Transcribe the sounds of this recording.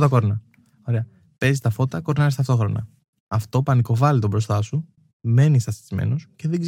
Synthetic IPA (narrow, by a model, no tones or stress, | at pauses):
t̪ɐkoɾnɐ | o̞ɾeɐ | pe̞zist̪ɐfo̞t̪ɐko̞ɾnɐest̪ɐft̪o̞xɾo̞nɐ̰ | ɐft̪o̞pɐniko̞vɐlit̪obɾo̞st̪ɐsu | me̞nist̪ɐst̪i̥zmḛnosce̞ðeɡz